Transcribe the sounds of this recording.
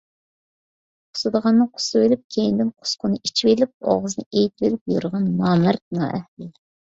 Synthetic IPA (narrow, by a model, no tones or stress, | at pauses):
qʰʊ̥sɨd̪əʁɑnːɨŋqʰʊ̥sɨelɪp̚kʲʰejind̪ɪnqʰʊ̥sqʰʊnɨit͡ʃʰivelɪp̚ɑ̰ʁəzɨnɨejt̪̚velɪp̚juɾʁɑnːɑːmæɾnɑ̰ʔɛ̰hlɪ